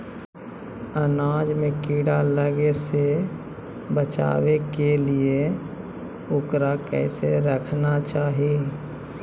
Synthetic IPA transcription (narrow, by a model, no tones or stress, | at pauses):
ənaːd͡ʒmẽkiːɽaləɡese | bət͡ʃa̰ːwekelie | ʊkɾakɛ̰ːseɾəkʰnat͡ʃaːɦie